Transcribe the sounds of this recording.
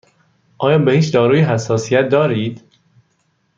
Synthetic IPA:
ʔɒːjɒːbehiːt͡ʃd̪ɒːɾuːjeɦæsːɒːsijæt̪̚d̪ɒːɾiːd̪̥

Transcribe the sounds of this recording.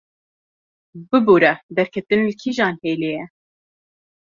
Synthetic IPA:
bɨbuːɾɛd̪ɛɾkʰɛt̪ɨnlkʰiːʒɑːnheːleːjɛ

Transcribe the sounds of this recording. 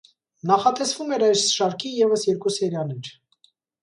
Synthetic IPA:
nɑχɑt̪ɛsv̥umɛɾɑjsʃɑɾkʰijɛvəsjɛɾkusɛɾjɑnit͡ʃ

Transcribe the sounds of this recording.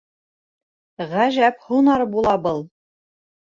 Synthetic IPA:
ʁæʒæphunɑɾbulˠɑbɤlˠ

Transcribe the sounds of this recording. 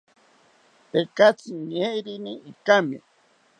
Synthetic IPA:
t̪ekat͡siɲeɾiniikamḭ

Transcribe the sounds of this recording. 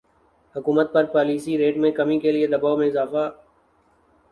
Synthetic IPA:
hʊkuːmət̪̚pɐɾpɔːliːsiɾeːʈmẽkɐmĩkelied̪ɐbaːomẽɪzaːfa

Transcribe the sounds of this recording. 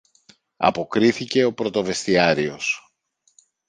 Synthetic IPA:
ɐ̰po̞kɾiθice̞o̞pɾo̞t̪o̞ve̞st̪iɐɾio̞s

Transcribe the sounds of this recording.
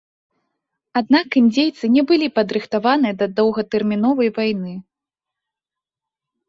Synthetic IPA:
ad̪nakɨnʲd͡zʲejt̪sɨnʲɛbɨlʲipɐd̪ɾɨxt̪avanɨjɐd̪ɐd̪ɐwɣɐt̪ɛrmʲin̪ɔvɐjvajnɨ

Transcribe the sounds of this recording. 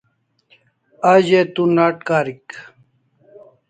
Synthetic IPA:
aʑet̪unaːʈkaːɾik

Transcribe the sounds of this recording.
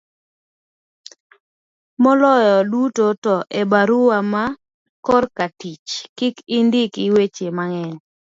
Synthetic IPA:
mɔlɔjɔdutotɔʔebaɾʊwama | kɔrkatit͡ʃkikindɪkiwet͡ʃemaŋɛn

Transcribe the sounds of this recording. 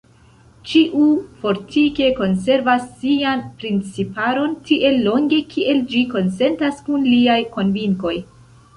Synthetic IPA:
t͡ʃiʔufo̞ɾtʰike̞ko̞ns̬e̞ɾvasːianpɾint͡sipaɾo̞ntiʔe̞lːo̞ŋɡe̞kʰiʔe̞ld͡ʒiko̞nse̞ntaskunliajko̞nviŋko̞j

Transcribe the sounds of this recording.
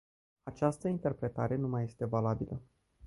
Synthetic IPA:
at͡ʃast̪əint̪e̞rpɾe̞t̪aɾe̞numajːe̞st̪e̞valabilə

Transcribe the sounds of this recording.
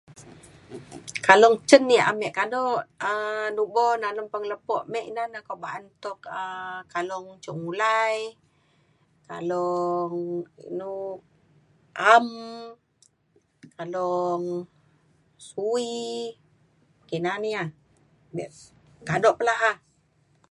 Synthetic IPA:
kalɔŋt͡ʃənːiʔa̰mɛʔkadɔʔənubɔnaləmpəŋələpɔʔmɛʔinanakoʔbaʔant̪ɔkəkalɔŋt͡ʃuʔŋulaj | ka̰lɔŋḭnu | ʔam | kalɔŋ | sui | kinania | bɛʔ | kadɔʔpəlaɦa

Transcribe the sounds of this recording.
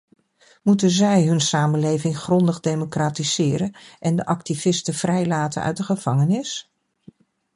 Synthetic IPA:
mutənzɛjɦɵnsaːmənlejvɪŋχrɔndəχdejmokraːtiz̥ɪːɾənʔɛndəʔɑk̚tivɪstəv̥rɛjlaːtə̰nœ̰ɥt̚dəχəv̥ɑŋənɪs

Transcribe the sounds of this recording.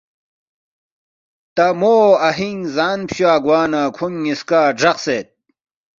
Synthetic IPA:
t̪ɐmoːɐɦiŋzaːnpɕwaːɡwaːnakʰuŋiskaːɖ͡ʐɐqset̪̚

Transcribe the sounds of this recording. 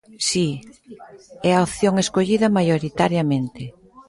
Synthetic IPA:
si | ɛaoθjoŋeskoʎiðɐmajoɾit̪aɾjɐmẽnt̪ɪ

